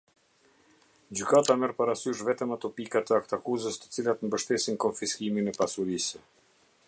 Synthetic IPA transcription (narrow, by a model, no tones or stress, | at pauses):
d͡ʑykat̪amɛɾpaɾasyʃ̬vɛt̪əmat̪ɔpikat̪əakt̪akuzəst̪ə̥t͡silat̪mbəʃt̪ɛsinkɔnfiskiminɛpasuɾisɛ